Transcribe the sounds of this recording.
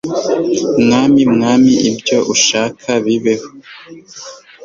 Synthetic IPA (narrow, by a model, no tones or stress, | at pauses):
mŋaːmimŋaːmiʔibjo̞ʔuʃaːkʰaβiβeho